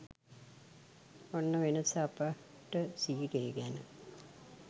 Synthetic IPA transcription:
onːəʋenəsapa | ʈːəsiːɾeɡænə

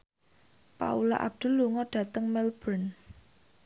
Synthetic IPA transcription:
pa̰ula̰ʔa̰b̚d̪̥ʊ̤lːuŋɔɖ̥ä̤t̪əŋmɛlb̥ən

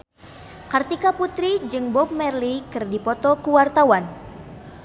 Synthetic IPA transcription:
kart̪ikaput̪ɾid͡ʒɨŋbɔp̚mɛrlikɨrdipɔt̪ɔkuwart̪awan

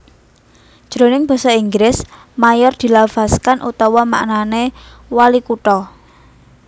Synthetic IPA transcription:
ʒ̥ɾonɪŋb̥ɔ̤sɔiŋɡɾɪs | majɔrd̪̥i̤lav̥askanʔṵt̪ɔwɔma̰ʔnane | walikuʈɔ

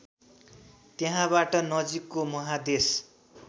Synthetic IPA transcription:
t̪jeɦãbaʈʌnʌd͡zikːomʌɦad̪es

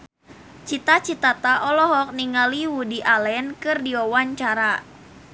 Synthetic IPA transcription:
t͡ʃit̪at͡ʃit̪at̪aʔɔlɔɦɔk̚niŋaliwudiʔalɛnkɨrdiɔwaɲt͡ʃaɾa

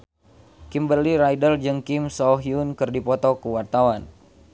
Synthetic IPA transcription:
kimbəliɾajdəld͡ʒɨŋkimsɔɦiunkɨrdipɔt̪ɔkəwart̪awan

